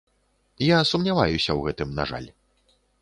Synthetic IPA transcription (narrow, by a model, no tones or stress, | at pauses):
jasumnʲava̰jusʲɐwɣɛt̪ɨmna̰ʐa̰lʲ